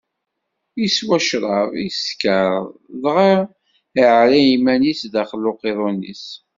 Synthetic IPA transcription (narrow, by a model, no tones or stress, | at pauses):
jiswæʃɾˤɑðˤiskəɾˤlʁi | ʕlæimænisd̪æχəlːoqeðˤonḭs